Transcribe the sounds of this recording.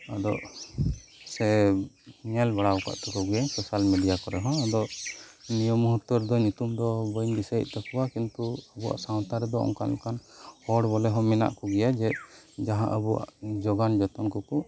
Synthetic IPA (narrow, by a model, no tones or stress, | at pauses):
ad̪ɔʔ | sɛ | ɲɛlbaɽawka̰ʔt̪ɔkɔɡɛjasɔsalmeɖijakɔɾɛɦɔ̃ad̪ɔʔnijɔmɦut̪ːɔɾd̪ɔɲut̪umd̪ɔbɔjnbisəj̰ʔ̪̚ˀt̪akuwakint̪uəbuwa̰ʔsaw̃t̪aɾɛd̪ɔɔ̰ŋkanlɛkanhɔɽbɔlɛɦɔ̃mɛna̰ʔkɔɡɛjad͡ʒɛd͡ʒaɦã̰ʔəbua̰ʔd͡ʒɔɡand͡ʒɔt̪ɔnkɔkɔ